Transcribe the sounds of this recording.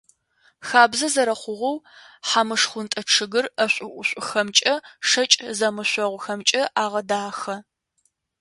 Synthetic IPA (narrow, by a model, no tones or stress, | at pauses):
xaːbzɐzɐɾɐχʷʊʁʷɔw | ħamɨʂχʷʊntʼɐʈ͡ʂʰɨɣɨrɐɕʷʼʊʔʷʊɕʷʼʊxɐmt͡ʃʼɐʂɐt͡ʃʼzɐmɨɕʷɔʁʷʊxɐmt͡ʃʼɐʔaːʁɐdaːxɐ